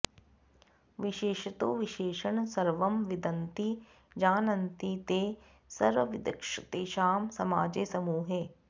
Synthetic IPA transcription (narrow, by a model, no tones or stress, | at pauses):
ʋɪʃeːʃɐt̪oʋɪʃeːʃɐɳsɐɾʋɐmʋɪd̪ɐnt̪i | d͡ʒaːnɐnt̪it̪eː | sɐɾʋɐʋɪd̪ɐ̰kʂɐt̪eːʃaːmsɐma̰ːd͡ʒeːsɐmuːɦeː